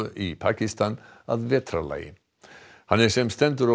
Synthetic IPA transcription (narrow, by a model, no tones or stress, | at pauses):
əʔipʰakɪst̪ʰan | a̰ðveːt̪ʰɾala̰ɪ | hanɛsɛmst̪ɛnt̪əɾɔ